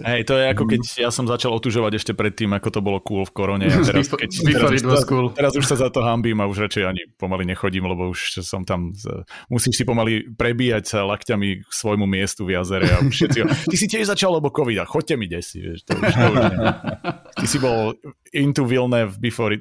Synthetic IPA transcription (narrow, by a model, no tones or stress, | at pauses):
ɦɛjt̪ɔjɛakɔkɛcjasɔmzat͡ʃalˠɔt̪uʒɔʋaɟɛʃcɛpɾɛt̪ːiːmakɔt̪ɔbɔlɔkuːlfkɔɾɔɲɛt̪ɛɾakɛt̪ɛɾaikult̪ɛɾazuʃsazat̪ɔɦambiːmauʒɾat͡ʃɛjaɲipɔmaliɲɛxɔɟiːmlɛbɔuʃsɔmt̪ammusiːʃsipɔmalipɾɛbiːjacsalakcamiksʋɔjmumɪɛst̪uvjazɛɾɛaʃɛt̪t͡siɦɔt̪isicɛʒzat͡ʃallɛbɔkɔʋid̪axɔc̚cɛmiɟɛsḭʋɪɛ̰ʃt̪ɔ̰uʃt̪ɔuʒɲɛ | t̪isibɔl | int̪uʋilnɛːvbifɔɾi